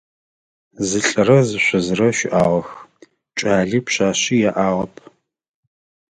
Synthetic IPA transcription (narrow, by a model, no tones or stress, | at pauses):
zɨɬʼɐɾɐzɨɕʷɔzɨrɐʃɪʔaːʁɐx | t͡ʃʼaːɮiːpɕaːɕijaʔaːʁɐpʰ